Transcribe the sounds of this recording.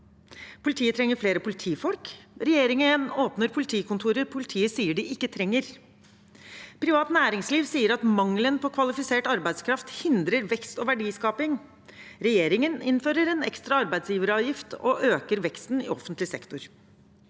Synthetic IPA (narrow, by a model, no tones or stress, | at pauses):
pʰʊlɪt̪ʰiːət̪ʰɾɛŋːəɾfleːɾəpʊlɪt̪ʰiːfɔlkɾɛjeːɾɪŋəɛnoːpnəɾpʰʊlɪt̪ʰiːkʰʊnt̪ʰuːɾəɾpʰʊlɪt̪ʰiːəsiːəɖɪʔɪkːət̪ʰɾɛŋːəɾ | pʰɾɪʋɑːt̪næːɾɪŋsliːʋsiːəɾɑt̪mɑŋlənpʰɔkʰʋɑlɪfɪseːʈɑɾbæɪskʰɾɑft̪hɪnd̪ɾəɾʋɛkst̪ɔʋæɖiːskɑːpɪŋ | ɾɛjeːɾɪŋənɪnføːɾəɾɛnɛ̰kst̪ɾɑɑɾbæɪd̪sjiːʋəɾɑːʋjɪft̪ɔ̰ʔøːkəɾʋɛkst̪nɪ̰ɔ̰fənt̪lɪsɛkt̪ʊɾ